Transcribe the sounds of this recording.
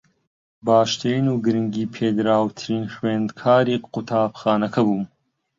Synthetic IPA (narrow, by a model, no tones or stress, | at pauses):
baːʃt̪ʰenuːɡɨɾɨŋɡiːpʰeːd̪ɾaːwt̪ʰɨɾiːnxweːnd̪kʰaːɾiːqut̪ʰaːbxaːnɐkʰɐbuːm